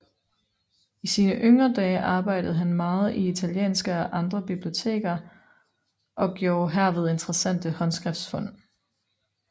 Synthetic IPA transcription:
isiːnəʔøŋʁɐd̥ɛːʔɑ̈ːb̥ɑ̈ɪ̰d̥ð̞̩ˠɦænmɑ̈ːð̞̩ˠiit͡sʰæljḛːnsɡ̥əɒ̽ʔɑ̈nd̥ʁɐb̥ib̥lio̝t͡sʰe̝̰ːɡ̥ɐ | ʔɒ̽ɡ̥jo̝ːɦæɐ̰ʋe̝ð̞ˠe̝nd̥ʁɐsæn̰d̥əhɒ̽nsɡ̥ʁɛfd̥sfɔ̽n̰

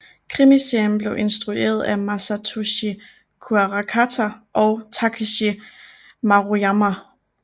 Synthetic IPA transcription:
kʰʁimisenb̥le̝ʊʔe̝nsd̥ʁue̝̰ːɐð̞ˠæmæsæt͡sʰuɕi | kʰuæʁɑkʰat͡sʰæʔɒʊt͡sʰɑkʰiɕi | mɑ̈ʁoɑma

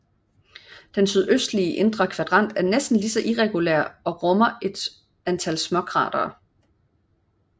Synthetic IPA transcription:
d̥ensyð̞ˠøsd̥liəʔe̝nd̥ʁɐkʰʋæd̥ʁɑ̈n̰d̥æɐnesd̥n̩lisɒ̽ʔiʁɛɡ̥uleɐ̰ɒ̽ʁɔ̽mɐe̝d̥ | ænt͡sʰælsmɒ̽kʰʁɑ̰̈ːd̥ɐ̰ː

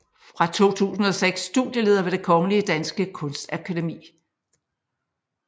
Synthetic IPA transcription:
fʁɑ̈t͡sʰo̝̰ːt͡sʰṵːsn̩ɒ̽seɡ̥sːd̥ṵðˠjəle̝ð̞ˠɐʋe̝d̥e̝kʰɒ̽ŋəliəd̥ænsɡ̥əkʰɔ̽nsd̥ækʰæd̥e̝mḭː

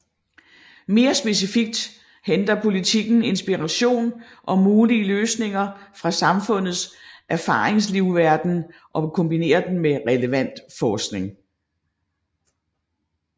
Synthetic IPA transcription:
me̝ːɐsb̥e̝s̬ifiɡ̥̚d̥ | hend̥ɐpʰo̝lit͡sʰiɡ̥n̩e̝nsb̥iʁɑɕo̝̰ːn | ʔɒ̽muːliəløːsne̝ŋɐfʁɑ̈sɑ̈mfɔ̽n̰ð̞̩ˠsʔæɐfɑ̈ːʁeŋs̬liʊʋæɐd̥n̩ | ʔɒ̽kʰɔ̽mb̥ine̝̰ːɐd̥en̩meʁɛləʋæn̰d̥fɒːsɡ̥ne̝ŋ

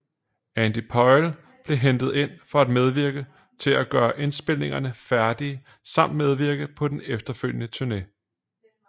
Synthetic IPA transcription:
ænd̥ipʰɒɪl | b̥le̝ɦend̥ð̞̩ˠe̝n̰fɒ̽æd̥með̞ˠʋiɐɡ̥ə | t͡sʰe̝læɡ̥ɶːɐʔe̝nsb̥e̝l̰ne̝ŋɐnəfæɐd̥iə | sɑ̈m̰d̥með̞ˠʋiɐ̰ɡ̥ðˠpʰɒ̽d̥enefd̥ɐføl̰jənət͡sʰuɐne

